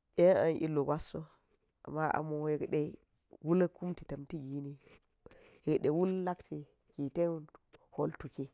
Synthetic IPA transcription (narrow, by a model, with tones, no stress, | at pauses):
ɗe˦na̰˨nʔḭ˦lːo˨ɡa˦sːo˦ | a̰˨mːa˦ʔa̰˨mo˨e˨kɗe˦ | wu˦lku˦mti˨ta˨mti˦ɡi˦ni˦ | je˨kɗe˨wu˦lla˦kti˨ | ki˨te˦nho˨ltu˨ki˦